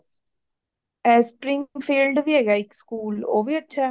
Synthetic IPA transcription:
ɛːspɾɪ̃ŋfʰiːlɖʋiːeːɡaːɪkskuːlo̰ːʋiːətːʃʰɛː

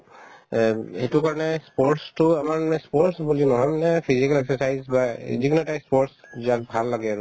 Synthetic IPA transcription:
etukaɹɔnɛspɔɹtstʊamaɹɛspɔɹsbulinɔɦɔjmnɛpʰizikalɛksɔsajzbaziɡnɔtajspɔɹtsziakbʱalːaɡɛaɹʊ

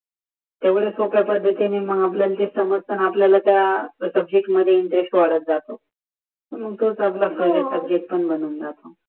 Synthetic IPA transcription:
t̪jaʋuɽesopapəɽd̪ʱet̪eniməɡap̬ljalt̪esəməɾt̪ʰənapljalat̪jasəb̚d͡ʑek̚ʈməd̪ʱːjeiɳʈ̪ɾeksʈʋaɽət̪̚d͡zat̪o | təɾməɡ̚t̪ʰot͡saplakʰəɾɾesəb̚d͡ʑekʈ̚pəɳbənuːnd͡zat̪o

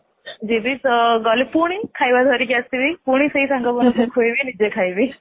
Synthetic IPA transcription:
d͡ʑiːbit͡sɡɔlepuɽ̃ikʰajʋad̪ʱəɾikeəst̪iʋipuɽ̃isəisãŋɡabənusʰəkʰojʋinid͡ʑekʰajʋi

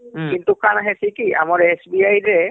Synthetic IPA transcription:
kintukanaɦɛsikiʔa̰mɔɹesbiajɾɛ

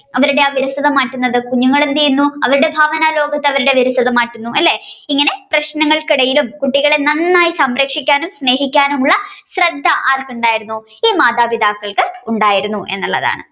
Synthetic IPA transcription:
ɐʋɐɾuɽe̞aːʋiɾɐsɐðɐmaːʈːunːɐðɨkuɲːuŋːɐɭend̪ijunːuɐʋɐɾuɽe̞bʱaːʋɐnaːlo̞ːɡɐt̪ːeɐʋɐɾuɽe̞ʋiɾɐsɐðɐmaːʈːunːuʔɐlːe̞iŋːɐne̞prɐɕnɐŋːɐɭkiɽɐjilumkuʈːiɣɐɭenɐnːaːjisɐmɾɐkʂikʲːaːnumsne̞ːɦikʲːaːnumuɭːɐɕrɐd̪ʱːɐʔaːrkuɳɖaːjiɾunːu | iːmaːd̪aːbid̪aːkːɐɭkɨuɳɖaːjiɾunːuʔe̞̰nːuɭːɐ̰ða̰ːɳɨ̰

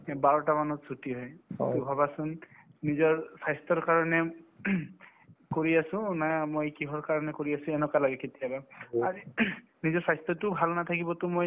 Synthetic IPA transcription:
baɹɔtamanɔtsʰutiɦɔjtubʱabasʊnː | izɔɹsajstɔɹkaɹɔnɛ | koɹiasʊ̃namojkiɦɔɹkaɹɔnɛkoɹiasʊ̃ɛnɔkalaɡɛketijabaazi | nizɔɹsajstɔtʊbʱalnat̪ʰakibɔtʊmoj

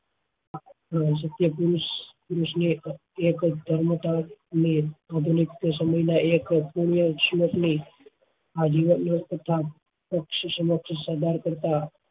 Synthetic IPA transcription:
sət̪jəpuɾuspɾusni | ekd̪ʱəɾmət̪aniad̪ʱunikt̪səməjnaekpuɽ̃ijəʃməkni | ad͡ʒiʋənt̪ət̪ʰa | pəkʃəsəməkʃsad̪ʱaɾkəɾt̪a

